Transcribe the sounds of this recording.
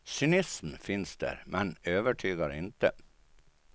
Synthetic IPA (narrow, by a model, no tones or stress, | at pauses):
sʏnɪsmfɪnsd̪æ̰ːɾmʔɛnøːʋəʈʰyːɡɑɾɪnt̪ə̰